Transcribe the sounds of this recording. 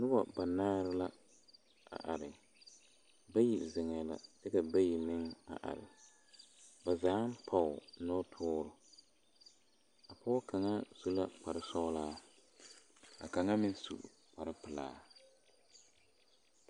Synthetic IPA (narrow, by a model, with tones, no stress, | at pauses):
nʊ˦ba˨ba˨naː˦ɾɪ˦la˦ | a̰˨ʔa˨ɾɪ˨ | ba˦ji˨zɪ˨ŋɛ˨la̰˨dɪ˦ka˨ba˦ji˨nɪ˦ŋa̰˨ʔa̰˨ɾɪ̰˨ | ba˨zaː˨˦m˦pʰa˦˨ʊ˨˦nɔ˦tʰʊː˦ɾʊ˦ | a˨pa˦ka˨ŋa˦z̥u˦la˦pa˨ɾɪ˦sɔ˦laː˦ | a̰˨ka˨ŋa˦mɪ˦n˦sṵ˨ʔ | pa˨ɾɪ˦pɨ˨la̰ː˦